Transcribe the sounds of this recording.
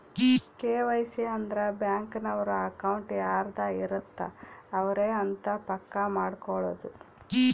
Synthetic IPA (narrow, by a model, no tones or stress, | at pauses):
keːʋɐjsiɐnd̪ɾɐbjaːŋkɐnɐʋɐɾuɐkɐwuɳʈjaːɾd̪aiɾɐt̪ːɐ̰ːʋɐɾeːɐnt̪ɐpɐkːɐmaːɽkɔɭo̰ːd̪u